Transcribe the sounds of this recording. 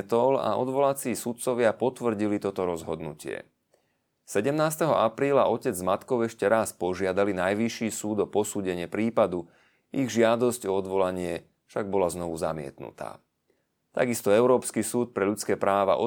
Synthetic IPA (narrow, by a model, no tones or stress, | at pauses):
t̪ɔla̰ɔ̰d̪ʋɔlat͡siːsut̪̚t͡sɔʋɪapɔt̪ʋr̩ɟilit̪ɔt̪ɔɾɔzɦɔd̪nṵcɪɛ̰ | sɛɟɛmnaːst̪ɛɦɔʔapɾiːlaʔɔcɛd͡zmat̪kɔʊɛʃcɛɾaspɔʒɪad̪alinajʋiʃiːsuːd̪ɔpɔsuːɟɛɲɪɛpɾiːpad̪u | iɣʒɪad̪ɔscɔɔd̪ʋɔlaɲɪɛ | fʃaɡ̚bɔlaznɔʋuza̰mɪɛ̰t̪nṵt̪a̰ː | t̪a̰ɡist̪ɔɛʊɾɔːpskisuːt̪̚pɾɛʎut͡skɛːpɾʔaːʋa̰ʔɔ